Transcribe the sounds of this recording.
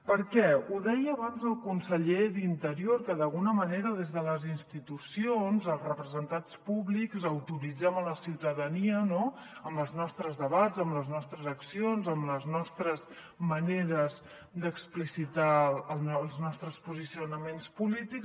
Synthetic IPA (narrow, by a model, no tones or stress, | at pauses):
pəɾkɛuðɛjəːβanzəlˠkunsəʎeðint̪əɾioɾkəðəlˠɣunəməneɾəðezðələzinst̪it̪usionzəlˠzrəpɾəzənt̪ant͡spuβlikzəwt̪uɾid͡zɛmələsiwt̪əðəniəno | əmbəlˠznɔst̪ɾəzðəβazəmləznɔst̪ɾəzəksionzəmləznɔst̪ɾəz | məneɾəz | d̪əksplisit̪aəllˠznɔst̪ɾəspuzisiunəmenspulit̪ik